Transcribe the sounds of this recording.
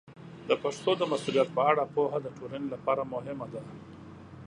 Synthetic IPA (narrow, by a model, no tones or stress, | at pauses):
d̪əpaʂt̪od̪əmasulijat̪̚pəaɽapoɦad̪əʈoɾanlapɑɾamʊɦɪmad̪a